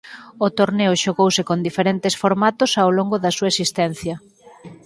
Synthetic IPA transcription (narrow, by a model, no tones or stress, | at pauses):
ot̪oɾneʊʃoɣowsɪkond̪ifeɾent̪ɪsfoɾmat̪ʊsawloŋɡoðɐsuɐesist̪ɛn̟θjɐ